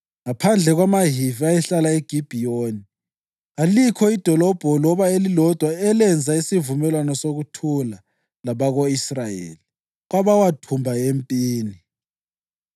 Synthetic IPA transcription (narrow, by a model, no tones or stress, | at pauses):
ŋapʰand͡ɮʱɛɣwamaɦiviajɛɬalaeɡ̥ʱib̥ʱioni | alikʰɔid̥ʱɔlɔb̥ʱɔlɔβaelilɔd̥ʱwaɛlɛnd͡zʱaisivumɛlwanɔsoɣutʰula | laβaɣoisrajḛːli | ɣ̬waβawatʰumbʱaempʼiːni